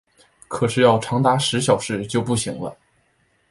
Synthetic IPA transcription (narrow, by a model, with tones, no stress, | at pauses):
kʰɤ˨˩ʂɻ̩˥˧jɑ˥˩ʊʈ͡ʂʰɑ˧˥ŋt̪a˧˥ʂɻ̩˧˥ɕjɑ˨˩ʊʂɻ̩˥˧t͡ɕjo˥˧ʊpu˥˩ɕḭ˧˥ŋlə̰˧